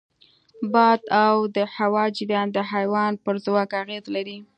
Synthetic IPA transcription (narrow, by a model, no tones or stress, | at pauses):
bɑd̪awd̪əhawɑd͡ʒɪɾjɑnd̪əɦajwɑnpəɾzwɑkaɣezlaɾi